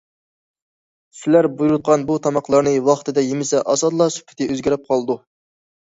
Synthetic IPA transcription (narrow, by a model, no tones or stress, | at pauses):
sɪlæɾbujuɾud̪̚qʰɑnbut̪ʰɑmɑqlˠɑɾnɨwɑχt̪ʰɨd̪ɛjemɪsɛʔɑsɑd̪lˠɑsy̥pʰːɪ̥t̪ɪøzɡʲæɾɪp̚qʰɑlˠd̪u